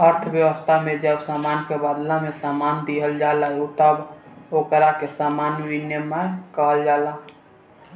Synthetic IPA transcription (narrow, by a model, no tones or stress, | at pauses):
əɾt̪ʰbjəwəst̪ʰamed͡ʒəbsamankebəd̪lamesamand̪iɦəld͡ʒaləɦut̪əbokɾakesamanbinemakəɦəld͡ʒala